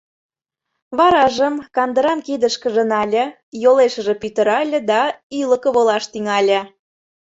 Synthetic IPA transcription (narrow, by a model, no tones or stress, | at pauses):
βɑɾɑʒəmkɑnd̪əɾɑmked̪əʃkə̆ʒə̆nɑlʲə̆ | joleʃə̆ʒĕpyt̪ə̆ɾɑlʲə̆d̪ɑilə̆kəβolɑʃt̪iŋɑlʲə̆